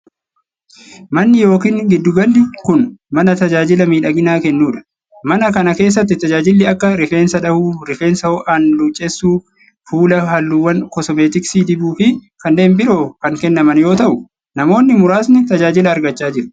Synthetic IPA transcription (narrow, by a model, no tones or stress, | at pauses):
mɐnːɪjo̞ːkiːŋɡɪd̪ːʊɡɐnd̪ɪkʊnmɐnɐt̪ɐd͡ʒaːd͡ʒɪlɐmiːᶑɐɡɪnaːkɛnːuːᶑɐ̥ | mɐnɐkɐnɐke̞ːs̬ːɐt̪̬ːɪt̪ɐd͡ʒaːd͡ʒɪlːɪɐkːɐɾɪfe̞ːnsɐᶑɐhuːɾɪfeːnsɐhɔʔaːnlut͡ʃʼːesːuː | fuːlɐɦɐlːuːwːɐnkɔsɔmeːt̪ɪksiːd̪ɪbuːfɪkɐnːe̞ːnbɪɾo̞ːkɐŋkɛnːɐmɐnjo̞ːt̪ɐʔʊ | nɐmo̞ːnːɪmʊɾaːsnɪt̪ɐd͡ʒaːd͡ʒɪlɐːɾɡɐt͡ʃːaːd͡ʒɪɾɐ̥